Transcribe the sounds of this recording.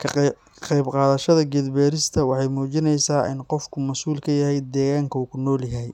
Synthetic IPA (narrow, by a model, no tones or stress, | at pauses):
kʰɐ | qɛjbqɑːðɐʃɐðɐɡɛd̪bɛːɾɪst̪ʰɐwɑħɑjmuːt͡ʃɪnɛjsaːʔɪ̰nqɔfkʰʊmɐsuːlkʰɐjɐɦɛjd̪ɛːɣaːŋkʰɐuːkʰʊnɔːljɐɦɛj